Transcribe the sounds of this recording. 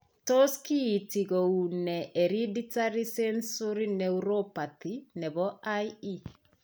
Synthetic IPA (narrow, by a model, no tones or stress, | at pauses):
tɔskiːtiɣounɛʔeɾiditaɾisɛnsɔɾinɛuɾopatinɛβɔaii